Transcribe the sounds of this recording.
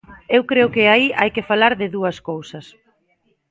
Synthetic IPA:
ewkɾeʊkɪaiʔajkɪfalaɾðɪðuɐskowsɐs

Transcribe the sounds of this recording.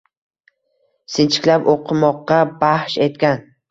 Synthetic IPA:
sɪnt͡ʃʰɪ̥kʲlapoqʰɨmɒqːɑbahʃe̞t̪̚kʲan

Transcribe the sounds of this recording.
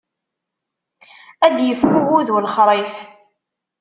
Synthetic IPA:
æd̪jəfhuwuðwlχɾˤif

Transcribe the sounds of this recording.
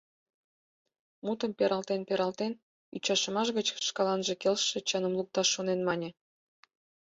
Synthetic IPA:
mut̪əmpeɾʔɑlt̪enpeɾɑlt̪en | yt͡ɕɑʃə̆mɑʃ̬ɣət͡ɕʃkɑlɑnʒĕkelʃĕt͡ɕɑnəmluk̚t̪ɑʃːonenmɑnʲĕ

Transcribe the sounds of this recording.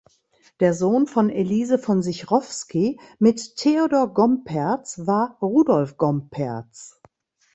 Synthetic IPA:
d̥eːɐzoːnfɔneliːzəfɔnzɪçʁɔfskimɪttʰːeodoːɐɡɔmpʰɛɐt͡svaːɐʁuːdɔlfɡ̥ɔmpʰɛɐt͡s

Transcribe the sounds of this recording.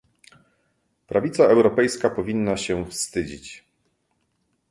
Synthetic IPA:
pɾavʲit̪saɛwɾɔpɛjskapɔvʲinːaɕɛfst̪ɘd͡ʑḭt͡ɕ

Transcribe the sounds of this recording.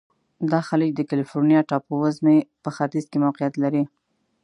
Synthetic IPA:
d̪ɑxaləkd̪əkalifoɾnijɑʈɑpowazmepəxat̪izkemawqijat̪laɾi

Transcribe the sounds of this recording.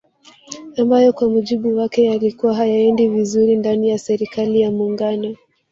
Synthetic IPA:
ambajɔkwamuʄiɓuwakɛjalikuwaɦajaɛndivizuɾindanijasɛɾikalijamuːŋɡanɔ

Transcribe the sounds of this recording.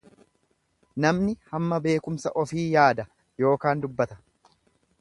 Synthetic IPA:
nɐmnɪhɐmːɐbe̞ːkʊmsɐʔɔfiːjaːd̪ɐ | jo̞ːkaːnd̪ʊbːɐt̪ɐ̥

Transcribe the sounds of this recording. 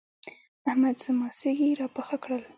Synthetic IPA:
ahmad̪səmɑsɪɡiɾɑpaxakɽəl

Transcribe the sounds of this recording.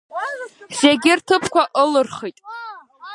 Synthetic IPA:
z̥eɡʲɪrtʰɨpʰkʷaʔɨlɨrχijtʼ

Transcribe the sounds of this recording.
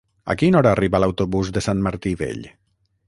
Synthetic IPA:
a̰kinɔɾaːriβalawt̪oβuzðesanmaɾt̪iβḛʎ

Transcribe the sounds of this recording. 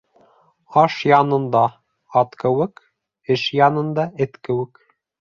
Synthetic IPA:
ɑʃjɑnɤ̆nd̪ɑ | ɑt̪kɘ̆wɘk | ɘʃjɑnɤ̆nd̪ɑɘt̪kɘ̆wɘk

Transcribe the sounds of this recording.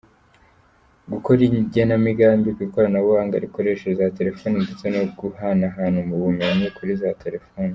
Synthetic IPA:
ɡukoɾiɲɟenamiɡaːmbikwikoɾanaβuwaːŋɡa̰ɾiko̞ɾe̞ʃezate̞ɾe̞fo̞ːnindet͡se̞noɡuhanaɦaːnhumuβume̞ɲikʰuɾizatʰe̞ɾe̞foːni

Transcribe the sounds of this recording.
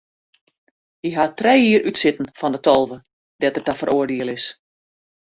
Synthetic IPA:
hiɦatrɛjiəɾʔytsɪtn̩fɔndətʰɔlˠvə | d̥ɛtətafəɾʔoərdiəlˠɪs

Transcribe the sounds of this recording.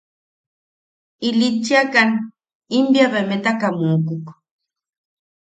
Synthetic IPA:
ilit͡ʃːiakan | imbjaβemet̪akamukuk

